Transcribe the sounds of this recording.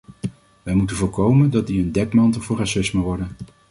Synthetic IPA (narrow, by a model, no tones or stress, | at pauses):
ʋɛjmutənvʊːɹkowməndɑtdiəndɛkmɑntəlˠvʊːɹrɑsɪsməʋɔɹdən